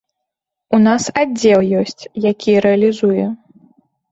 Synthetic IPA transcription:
unasad͡zʲɛlˠjɔsʲt͡sʲjakʲʰijɾɛɐlʲizujɛ

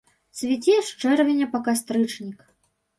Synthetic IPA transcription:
sʲvʲit͡sʲɛʂt͡ʂɛrvʲɛnʲɐpɐkast̪ɾɨt͡ʂnʲik

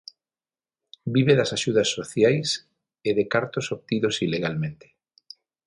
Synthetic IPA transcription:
biβeðɐsaʃuðɐsːoθjajs | eðekaɾt̪osoβ̚t̪iðosileɣalmẽnt̪e̥

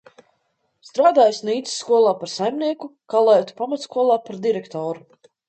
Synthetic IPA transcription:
st̪ɾaːd̪aːjsniːt̪sːkuɔlˠaːpaɾsajmniɛkukalˠɛjt̪u̥pamat̪skuɔlˠaːpaɾd̪iɾɛkt̪ɔːɾu

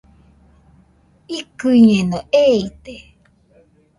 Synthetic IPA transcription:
ikɨiɲẽnõʔeit̪e

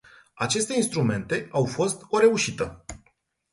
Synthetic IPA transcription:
at͡ʃe̞st̪e̞inst̪ɾume̞nt̪e̞awfo̞st̪o̞ɾe̞uʃit̪ə

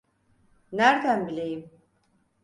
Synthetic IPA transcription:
naɾd̪ambliːm

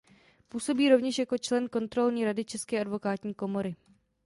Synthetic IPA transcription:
puːso̞biːɾo̞vɲɛʃjako̞t͡ʃlɛnko̞nt̪ɾo̞lɲiːɾadɪt͡ʃɛskɛːʔadvo̞kaːt̪ɲiːko̞mo̞ɾɪ

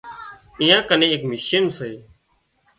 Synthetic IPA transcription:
ĩːjãːkənẽːeːkmɪʃiːnseeː

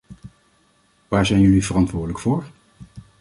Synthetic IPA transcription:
ʋaːɹzɛjnɵliv̥ərɑntʋʊːɹdələkfʊːɹ

